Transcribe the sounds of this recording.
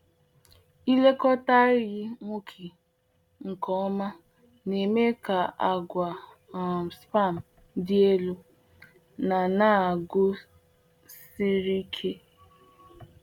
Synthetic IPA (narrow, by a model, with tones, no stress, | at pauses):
i˦le˦kɔ˦ta˦ɾɪ˦ɣɪ˦ŋʷu˦kʰi˨ | ŋ̩˨kɔ˨˦ɔ˦ma˦ | ne˨me˦ka˨ʔa˨ɡʷa˨ | spa˦˨m̩˨ | dɪ˦e˦lu˦ | na˨na˦˨a˨ɡʊ˦ | si˦ɾi˦kʰe˦